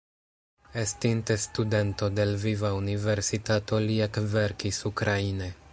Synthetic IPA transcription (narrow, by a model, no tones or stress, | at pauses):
e̞stinte̞stude̞nto̞de̞lvivaunive̞ɾsitato̞liekve̞ɾkisukɾaine̞